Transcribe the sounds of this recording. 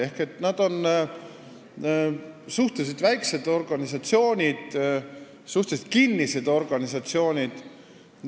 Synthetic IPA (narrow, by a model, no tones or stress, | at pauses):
e̞hke̞t̪ːnɑd̪̥o̞n | suht̪es̬ed̪væjkse̞d̪̥o̞rɡ̥ɑnʲisɑt̪sio̞ːnʲid̪̥ | suht̪ese̥t̪̚kinːise̞d̪̥o̞rɡ̥ɑnʲisɑt̪sio̞ːnʲid̪̥